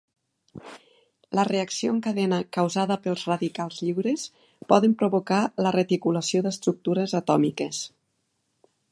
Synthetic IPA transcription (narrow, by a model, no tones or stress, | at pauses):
ləreəksioəŋkəðɛnəkəwzaðəpəlˠzrəðikalˠzʎiwɾes | pɔðəmpɾuβokalərət̪ikuləsioðəst̪ɾuk̚t̪uɾəzət̪ɔmikəs